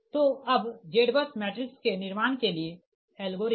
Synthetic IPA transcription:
t̪oɐbd͡ʒeːɖbəsmɛːʈɾɪkskenɪɾmaːɳ̃kelie | ɛːlɡoːɾ

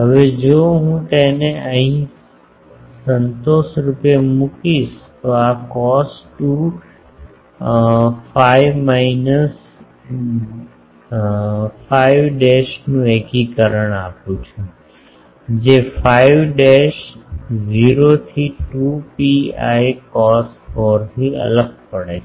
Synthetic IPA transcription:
ɦəʋed͡ʒoɦũt̪eneəɦĩ | sənt̪osɾupjemukiʃt̪oakɔsʈu | faijʋmainəs | faiʋɖeʃnũekikəɾəɳapjũt͡ʃʰe | d͡ʒefaiʋɖeʃd͡ʒiɾot̪ʰiʈupia̰jkɔsfoɾt̪ʰiə̰ləɡ̚pəɽet͡ʃʰ

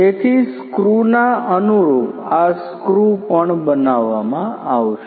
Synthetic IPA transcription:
et̪ʰiskɾunaənuɾoʋaskɾupəɳbənaʋːamãaʋʃe

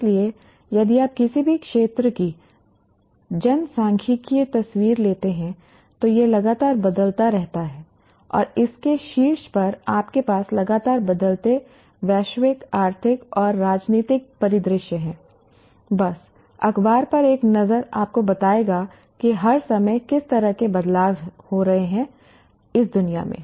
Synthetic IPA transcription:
lie | jɐd̪iaːp̚kɪsibʱikʃeːt̪ɾəki | d͡ʒɐnsãːŋkʰikiet̪ɐswiːɾleːt̪eɦɛ̃ | t̪ojelɐɡaːt̪aːɾbɐd̪əlt̪aɾɛɦt̪aɦɛː | ɔ̰ːɾɪskeʃiːɾʃpɐɾaːpkepaːslɐɡaːt̪aːɾbɐd̪əlt̪e | ʋɛːʃwɪkaːɾt̪ʰɪkɔːɾːaːd͡ʒniːt̪ɪk̚pɐɾɪd̪ɾɪʃjəɦɛ̃ː | bɐs | ɐxbaːɾpɐɾeːknɐzəɾaːp̚kobɐt̪aːeːɡa | kiɦɐɾsɐməjkɪst̪ɐɾəɦkebɐd̪laːʋhoɾɐɦeɦɛ̃ | ɪs̬d̪ʊnija̰mḛ̃ː

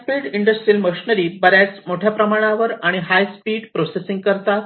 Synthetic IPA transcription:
piɽiɳɖəsʈɾiːlməɕinəɾiːbəɾjat͡smoʈʰjapɾəmaɽ̃aʋəɾaɽ̃iɦajspiːɽpɾosesiŋɡ̚kəɾt̪a

